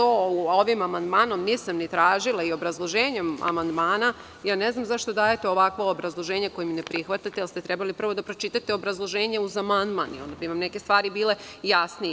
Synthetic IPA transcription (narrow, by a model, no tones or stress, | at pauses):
ooʋimamand̪maːno̞mniːsamnit̪ɾaːʒilˠaio̞bɾazlˠo̞ʒeːɲema̰mand̪maːna | jaːneznamzaʃt̪o̞d̪aːjet̪eo̞ʋakʋoobɾazlˠo̞ʒeːɲako̞jeminepɾixʋat̪at̪ejalˠst̪et̪ɾɛbalipr̩ʋo̞d̪apɾo̞t͡ʃit̪at̪eo̞bɾazlˠo̞ʒeːɲeuzamand̪ma̰ːnio̞̰nd̪abiʋamnekest̪ʋaːɾibiːle̞jasni